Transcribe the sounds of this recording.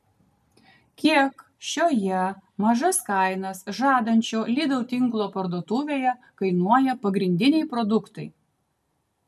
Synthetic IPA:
kʲiɛk | ʃʲoːjɛmɐʒɐskɑˑɪnɐsʒɑːd̪ɐnʲt͡ʃʲoːlʲiːd̪ɐʊt̪ʲɪŋklˠoːpɐɾd̪uɔt̪uːʋʲeːjɛ | kɐɪnuɔjɛpɐɡɾʲɪnʲd̪ʲɪnʲɛɪpɾɔd̪ʊkt̪ɐɪ

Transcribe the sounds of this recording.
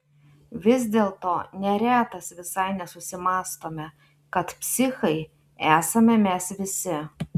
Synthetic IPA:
ʋʲɪzʲd̪ʲeːlˠt̪oːnʲɛɾʲæːt̪ɐsʋʲɪsɐɪnʲɛsʊsʲɪmɑːst̪oːmʲɛ | kɐt̪pʲsʲɪxɐɪ | æːsɐmʲɛmʲɛsʋʲɪsʲɪ

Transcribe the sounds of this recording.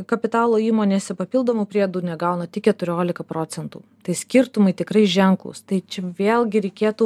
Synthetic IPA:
kɐpʲɪt̪ɑːlˠoːiːmoːnʲeːsʲɛpɐpʲilˠd̪oːmuːpʲɾʲiɛd̪uːnʲɛɡɐʊnɐt̪ʲɪkʲɛt̪ʊɾʲoːlʲɪkɐpɾoːt͡s̪ʲɛnt̪ṵːt̪ɐɪsʲkʲɪɾt̪ʊmɐɪt̪ʲɪkɾɐɪʒʲɛŋklˠʊ̰st̪ɐɪt͡ʃʲɛʋʲeːlˠɡʲɪɾʲɛɪkʲeːt̪uː

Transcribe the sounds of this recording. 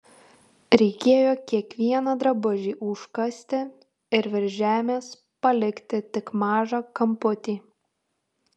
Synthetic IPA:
ɾʲɛɪkʲeːjoːkʲiɛkʋʲiɛnɐd̪ɾɐbʊʒʲiːʔʊʃkɐsʲt̪ʲɪ | ɪɾʋʲɛɾʲʒʲæːmʲeːs | pɐlʲɪkt̪ʲɪt̪ʲɪkmɑːʒɑːkɐmpʊt̪ʲiː

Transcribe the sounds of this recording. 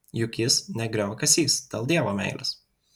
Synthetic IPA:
jʊkʲɪsnʲɛɡɾʲɛʊkɐsʲiːst̪ʲɐlˠd̪ʲiɛʋoːmʲɛ̰ɪlʲʔɪs

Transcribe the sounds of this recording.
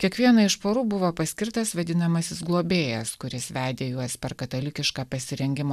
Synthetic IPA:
kʲiɛkʋʲiɛnɐɪʃpoːɾuːbʊʋoːpɐsʲkʲɪɾt̪ɐsʋɐd̪ʲɪnɐmɐsʲɪsɡlˠoːbʲeːjɛskʊɾʲɪsʋʲæːd̪ʲeːjuɔspʲɛɾkɐt̪ɐlʲɪkʲɪʃkɑːpɐsʲɪɾʲɛŋʲɡʲɪmoː

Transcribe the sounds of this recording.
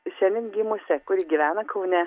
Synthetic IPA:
ʃʲɛnʲɪnʲɡʲimʊsʲɛkʊɾʲiɡʲiːʋʲæːnɐkʰɐʊnʲɛ

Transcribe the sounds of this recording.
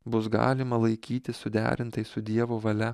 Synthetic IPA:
bʊsɡɑ̰ːlʲɪmɐlˠɐɪkʲiːt̪ʲɪssʊd̪ʲæ̰ːɾʲɪnt̪ɐɪsʊd̪ʲiɛʋoːʋɐlʲɛ

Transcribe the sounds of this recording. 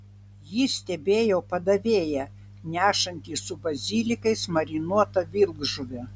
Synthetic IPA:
jisʲt̪ʲɛbʲeːjoːpɐd̪ɐʋʲeːjɛ | nʲæːʃɐnʲt̪ʲiːsʊbɐzʲiːlʲɪkɐɪsmɐɾʲɪnuɔt̪ɐʋʲɪlˠɡʒʊʋʲɛ

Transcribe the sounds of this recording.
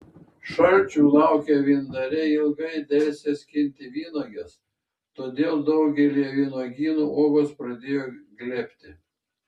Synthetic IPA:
ʃɐlʲt͡ʃʲuːlˠɑˑʊkʲɛʋʲiːnd̪ɐɾʲɛɪlˠɡɐɪd̪ʲɛlʲsʲesʲkʲɪnʲt̪ʲɪʋʲiːnoːɡʲɛs | t̪oːd̪ʲeːlˠd̪ɒʊɡʲɛlʲiɛʋʲiːnoːɡʲiːnuːʔoːɡoːspɾɐd̪ʲeːjoːɡlʲeːpʲt̪ʲɪ

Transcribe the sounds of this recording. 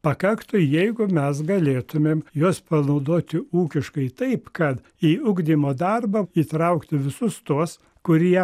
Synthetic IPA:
pɐkɐkt̪ʊjɛɪɡʊmʲɛs̬ɡɐlʲeːt̪ʊmʲeːmjuɔspɐnɐʊd̪oːt̪ʲɪuːkʲɪʃkɐɪt̪ɐɪpkɐt̪ | iːʊɡd̪ʲiːmoːd̪ɐrbɐiːt̪ɾɐʊkt̪ʲɪʋʲɪsʊst̪uɔs | kʊɾʲiɛ

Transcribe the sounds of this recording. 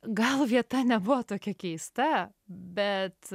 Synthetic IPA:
ɡɐlˠʋʲiɛt̪ɐnʲɛbʊʋoːt̪oːkʲɛkʲɛɪst̪ɐ | bʲɛt̪

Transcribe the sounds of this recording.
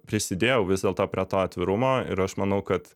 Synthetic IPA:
pʲɾʲɪsʲɪd̪ʲeːjɛʊʋʲɪzd̪ʲeɛlˠt̪oːpʲɾʲiɛt̪oːɐt̪ʲʋʲɪɾʊmoːɪ̰ɾɐʃmɐnɐʊkɐt̪

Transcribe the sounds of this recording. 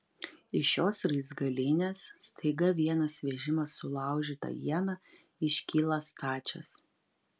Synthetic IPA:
ɪʃjoːsɾɐɪzɡɐlʲiːnʲeːsst̪ʰɐɪɡɐʋʲiɛnɐsʋʲɛʒʲɪmɐsːʊlˠɑˑʊʒʲiːt̪ɐ̰jiɛnɐ | ɪʃʲkʲiːlˠɐst̪ɑːt͡ʃʲɛ̰s

